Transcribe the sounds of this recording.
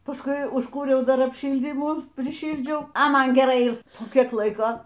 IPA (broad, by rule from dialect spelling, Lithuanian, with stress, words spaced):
pɐsˈkʊɪ ʊʃˈkuːrʲɛʊ ˈdɐr ɐpʲˈʃʲiːlʲdʲiːmuː pʲrʲɪˈʃʲiːlʲd͡ʒʲɛʊ ɐ ˈmɐn ɡʲɛˈrɐɪ ˈɪr poː ˈkʲiɛk ˈlˠɐɪkoː